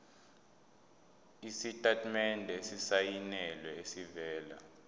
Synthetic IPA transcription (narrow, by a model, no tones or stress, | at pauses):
isitʼatʰʼmɛndʱesisajinɛlwɛesivɛːla̰